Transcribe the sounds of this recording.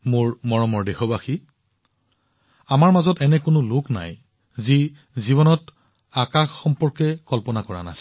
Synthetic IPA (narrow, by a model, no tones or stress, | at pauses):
mʊɹmɔɹɔmɔɹdɛxɔbaxi | amaɹmazɔtɛnɛkʊnʊlʊkna̰j | zi | zibɔnɔt | akaxːɔmpɔɹkɛkɔlpɔnakɔɹa̰na̰s